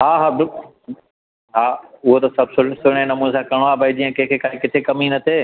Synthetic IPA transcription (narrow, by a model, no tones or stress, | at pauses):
ɦaːɦaːbɪ | ɦaːʊɦot̪ɐsɐbsʊsʊɽ̃ẽnɐmũːnsãːkɐɽ̃oaːbʱɐid͡ʑĩːə̃kẽɦkʰeːkaːikɪt̪ʰekɐminɐt̪ʰeː